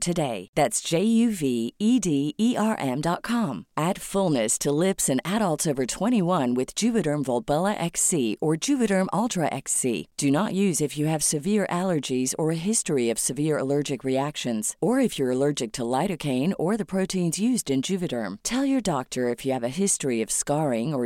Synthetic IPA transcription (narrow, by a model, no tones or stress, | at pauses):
tʰɨdeɪðætsd̥ʒ̥eɪjʉviidiiɑɹʔɛ̃mdɑt̚kʰɑ̃mʔæd̥fʊlˠnɨstʰəlɪpsɨ̃næɾəl̩ˠtsoʊvə˞tʰw̥ɛ̃ɾ̃iwʌ̃nwɨð̥d͡ʒʉvɨɾə̃˞mvɔlˠbɛlˠəʔɛksiə˞d͡ʒʉvɨɾə̃˞mʔɔlˠtɹ̥əʔɛ̰ksḭd̥ɨnəʔjʉzɨfjɨɨv̥sɨvɪɹʔælˠə˞d͡ʒizə˞ɨɦɪstɹiʌv̥sɨvɪɹə̰lɜ˞d͡ʒɨkɹiækʃɨ̃nz̥ə˞ɨfjə˞əlɜ˞d͡ʒɨk̚tʰəlaɪɾɨkʰẽɪ̃nə˞ðɨpʰɹ̥oʊɾĩnzjʉzdɨ̃nd͡ʒʉvɨɾə̰̃˞mtʰɛlˠjə˞dɑk̚tʰə˞ɨfjɨːvɨɦɪstɹ̥iʌv̥skɑɹɪ̃ŋə˞